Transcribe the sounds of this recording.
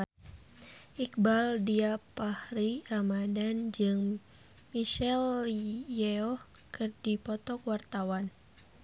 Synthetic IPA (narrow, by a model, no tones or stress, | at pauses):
ʔik̚baldiapahɾiramadand͡ʒɨŋ | miʃɛljɛɔhkɨrdipɔt̪ɔkwart̪awan